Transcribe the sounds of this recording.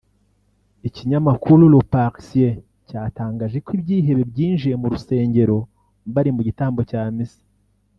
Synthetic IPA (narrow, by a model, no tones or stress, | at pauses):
iciɲamakuɾulopaksie | caːtaːŋɡaːʒe̞kwibɟiːɦe̞βe̞bɟiːnʒiemuɾuse̞ːɲɟe̞ɾo̞ | βaɾimuɟitaːmbo̞caːmisi̥